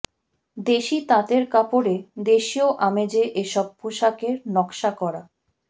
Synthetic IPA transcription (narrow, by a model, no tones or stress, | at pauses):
d̪eʃit̪ãt̪eɾkapoɾed̪eʃioʔamed͡ʑeʔeʃɔb̚puʃakeɾnɔkʃakɔɾa